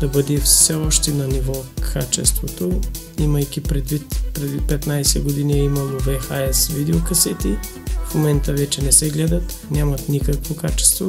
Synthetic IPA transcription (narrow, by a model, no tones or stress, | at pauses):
d̪̥ɐbəd̪ɛfsɛɔʃt̪ɛnɐnivɔkʰat͡ʃɛ̰st̪vot̪o | iməjk̟ʲipɾɛd̪vit̪pɾɛd̪ipɛt̪najsɛ̰ɡod̪iniɛimɐlˠovɛxaɛsvid̪ɛokɐsɛt̪i | fmomɛnt̪əvɛt͡ʃɛnɛsɛɡlɛd̪ɐt̪nʲjamɐt̪nikəkvokat͡ʃɛ̥st̪vo